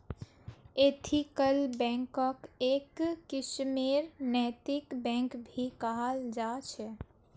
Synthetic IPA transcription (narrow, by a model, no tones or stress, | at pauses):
et̪ʰikəlbɛ̃ŋkəkeːkːɪʃmeɾnɛːt̪ikbɛ̃ŋkbʱikaɦld͡ʒat͡ʃʰɛ